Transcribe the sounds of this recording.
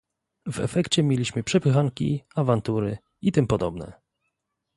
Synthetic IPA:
vɛ̰fɛkt͡ɕɛmʲjelʲiɕmɘpʂɛpɘxaŋkʲḭavant̪uɾɘ | it̪ɘmpɔd̪ɔbnɛ̰

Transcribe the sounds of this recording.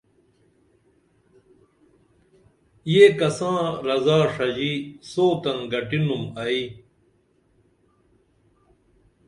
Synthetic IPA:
jekɐsãːɾɐzaːʂɐd͡ʑiːsoːt̪ɐnɡɐʈinumɐiː

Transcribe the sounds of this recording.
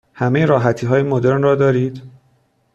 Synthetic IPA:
hæmejeɾɒːɦæt̪ʰiːɦɒːjemod̪e̞ɾnrɒːd̪ɒːɾiːd̪̥

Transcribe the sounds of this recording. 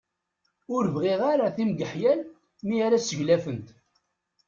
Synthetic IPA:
ʊɾvʁiʁaɾaθimɡ̪əħjæl | miaɾæsəʝlæfənt̪

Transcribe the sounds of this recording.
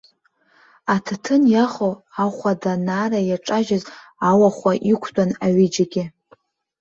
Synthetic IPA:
atʰtʰɨnjaχowaχʷadanaːrajaʈ͡ʂʼaʒaz | awaχʷaʔikʷʰtʷʼanaɥid͡ʒaɡʲɪ

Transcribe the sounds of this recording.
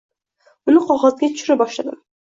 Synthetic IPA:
ʊnɪqʰɒʁɑzɡʲat̪ʰʊ̥ʃʊɾɪbɒʃlad̪ɪ̰m

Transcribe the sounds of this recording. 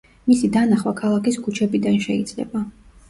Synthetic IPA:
misid̪anaχwakʰalˠakiskʰut͡ʃʰɛbid̪anʃɛid̪zʼlɛ̰ba

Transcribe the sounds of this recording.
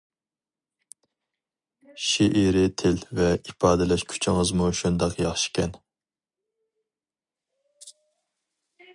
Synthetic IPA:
ʃiʔiɾɪt̪ʰɪlvɛʔipʰɑːd̪ɪlɛʃkʲʰy̥t͡ʃʰɪŋəzmuʃund̪ɑqjɑχʃi̥kʲʰɛn

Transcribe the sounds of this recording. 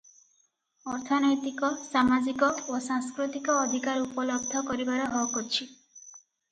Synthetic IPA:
ɔɾt̪ʰɔnɔjt̪ikɔsamad͡ʒikɔosaŋskɾut̪ikɔːd̪ʱikaɾupɔlɔb̚d̪ʱɔkɔɾibaɾɔɦɔkɔɾt͡ʃʰi

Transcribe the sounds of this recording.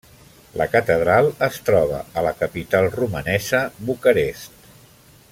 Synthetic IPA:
ləkət̪əð̞ɾalˠəst̪ɾɔβə̰ələkəpit̪alˠrumənɛzəβukəɾest̪

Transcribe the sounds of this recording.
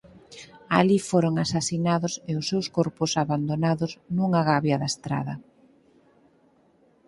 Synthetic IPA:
alifoɾoŋasasinaðʊseʊsːewskoɾpʊsaβand̪onaðʊznuŋaɣaβjaðaest̪ɾa̰ðɐ

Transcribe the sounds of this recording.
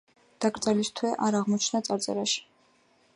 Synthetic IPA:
d̪̥aɡɾt̪sʼɛlist̪ʰwɛʔaɾaʁmɔt͡ʃʰnat̪sʼaɾt̪sʼɛ̰ɾaʃi̥

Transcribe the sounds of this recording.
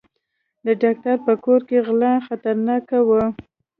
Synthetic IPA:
d̪əɖɑk̚ʈaɾpəkoɾkeɣlɑxat̪aɾnɑkawə

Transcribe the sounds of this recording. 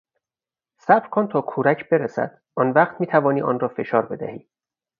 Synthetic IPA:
sæbɾkʰont̪ʰɒːkʰuːɾæcʰb̥e̞ɾesæ̰d̪̥ | ʔɒːnvæːχt̪ʰmiːt̪ʰævɒːniːʔɒ̰ːnrɒːfe̞ʃɒːɾbe̞d̪æ̰hiː

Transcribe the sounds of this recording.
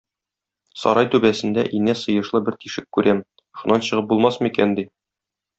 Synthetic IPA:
sɒ̰ɾɑjt̪ʉbæsɘ̆nd̪æ̰ʔinæsɤ̆jɤ̆ʃlˠɤbɘɾt̪iʃɘkkːʉɾʔæm | ʃunɑnɕɤ̆ʁɤp̚bulˠmɑsmikænd̪i

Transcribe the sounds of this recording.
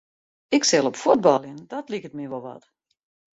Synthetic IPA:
ɪksɛlˠɔpfud̚bɔlˠjəndɔtlikət̚miʋɔlˠʋɔ̰t

